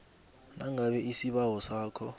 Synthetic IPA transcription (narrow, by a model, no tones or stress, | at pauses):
naŋaɓɛʔisiɓawɔsaːkʰɔ